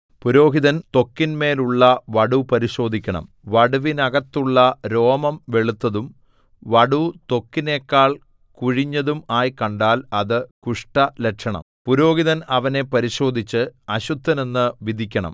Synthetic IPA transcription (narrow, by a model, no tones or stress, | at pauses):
puɾo̞ːɦiðɐnt̪o̞kːinme̞ːluɭːɐʋɐɽupɐɾiɕo̞ːd̪ʱikʲːɐɳɐ̰m | ʋɐɽuʋinɐɣɐt̪ːuɭːɐɾo̞ːmɐmʋe̞ɭut̪ːɐðum | ʋɐɽut̪o̞kːine̞ːkːaːɭ | kuɻiɲːɐðumaːjkɐɳɖaːlɐðɨkuʂʈɐlekʂɐɳɐ̰mpuɾo̞ːɣiðɐnɐʋɐne̞pɐɾiɕo̞ːd̪ʱit͡ɕːɨɐɕut̪ːɐne̞nːɨʋid̪ʱikʲːɐɳɐ̰m